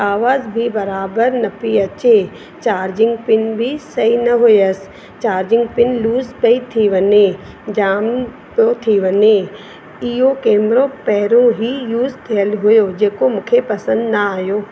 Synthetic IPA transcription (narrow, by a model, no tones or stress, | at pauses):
aːʋaːzbʱibɐɾaːbəɾnɐpiɐt͡ɕe | t͡ʃaːɾd͡ʒɪ̃ŋɡpɪnbʱisɐɦinɐɦʊjəs | t͡ɕaːɾd͡ʒɪ̃ŋɡ̚pɪnluːzpəit̪ʰiʋɐne | d͡ʑaːm | pjot̪ʰiʋɐne | ɪɦokeːmɾõpɛɦɾõɦijuːzt̪ʰijəlɦʊjod͡ʒeːkomʊ̃kʰepɐsə̃nd̪nɐaːɦjoː